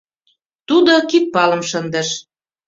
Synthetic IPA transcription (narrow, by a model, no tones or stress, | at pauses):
t̪ud̪okik̚pɑlə̆mʃənd̪ə̆ʃ